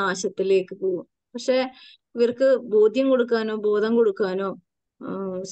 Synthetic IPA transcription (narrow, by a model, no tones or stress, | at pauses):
aːɕɐt̪ːile̞ːkːɨpoːɣum | pɐkʂe̞ː | iʋɐrkɨbo̞ːd̪ʱjɐmko̞ɽukːaːno̞ːbo̞ːd̪ʱɐmkoɽukːaːno̞ː | s